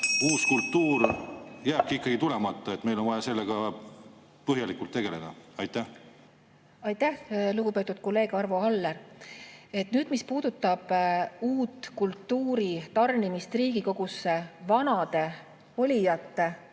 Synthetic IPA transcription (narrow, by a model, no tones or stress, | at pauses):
uːskult̪ːuːrjæːb̥̚kiikːˑɑɡ̥it̪ule̞mɑt̪ˑːɑe̞t̪me̞jlonvɑjɑse̞lːeɡ̥ɑ | pɤɦjɑlikːˑult̪ːe̞ɡ̥e̞le̞d̪̥ɑɑjt̪ːæh | ɑjt̪æhluɡ̥upe̞ːt̪ːˑud̪̥ko̞lːe̞ːɡ̥ɑrvo̞ɑlːer | e̞t̪nyːd̪̥mispuːd̪̥ut̪ːˑɑb̥uːt̪ːkult̪ːuːɾit̪ɑrnimist̪riːɡ̥iko̞ɡ̥usːevɑnɑd̪e̞ | olʲijɑt̪ːe̞